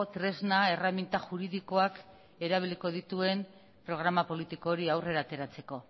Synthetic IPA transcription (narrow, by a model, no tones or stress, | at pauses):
t̪ɾe̞znae̞ramint̪aʝuɾiðiko̞ak | e̞ɾaβ̞iliko̞ð̞it̪ue̞n | pɾo̞ɣ̞ɾamapo̞lit̪iko̞ːɾiawre̞ɾaːt̪e̞ɾat͡se̞ko̞